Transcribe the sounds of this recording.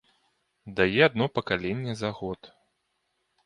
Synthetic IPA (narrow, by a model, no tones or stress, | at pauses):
d̪ajɛad̪nɔpɐkalʲenʲːɛzaɣɔt̪